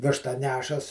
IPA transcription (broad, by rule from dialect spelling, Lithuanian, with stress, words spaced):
ˈʋʲɪʃtɑː ˈnʲæːʃɐs